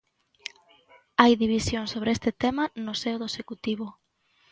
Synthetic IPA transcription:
ajðiβisjoŋsoβɾeest̪ɪt̪emanʊsewðoesekut̪iβʊ

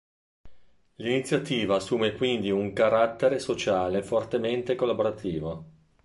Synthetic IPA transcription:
linit̪sːjat̪iːvaːsːuːmekwind̪iuŋkaɾat̪ːeɾesot͡ʃaːlefort̪ement̪ekolːaboɾat̪ʰiːvo

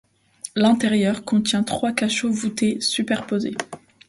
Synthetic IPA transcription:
lɛ̃t̪ɛʁjœʁkɔ̃t̪jɛ̃t̪χwakaʃovut̪esypɛʁpozḛ

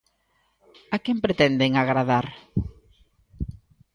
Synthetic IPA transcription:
akɛmpɾet̪ɛnd̪eŋaɣɾaðaɾ

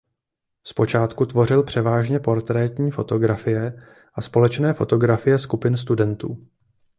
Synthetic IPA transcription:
spo̞t͡ʃaːt̪kut̪vo̞rɪlpr̝̥ɛvaːʒɲɛpo̞ɾt̪ɾɛːt̪ɲiːfo̞t̪o̞ɡɾafɪjɛ | ʔaspo̞lɛt͡ʃnɛːfo̞t̪o̞ɡɾafɪjɛskupɪnst̪udɛnt̪ṵː

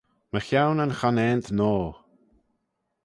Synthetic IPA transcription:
məxjawnənxanɛːnt̪ʰnoː

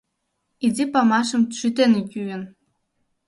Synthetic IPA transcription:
idipɑmɑʃə̆mʃyt̪enikʲyjən

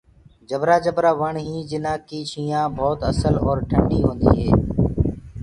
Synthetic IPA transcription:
d͡ʒəbɾaːd͡ʒəbɾaːʋəɳɦĩːd͡ʒɪnãːkiːʃʰiːjãːbʱɔːt̪əsəlɔːɾʈʰəɳɖiːɦõːnd̪ḭːɦeː

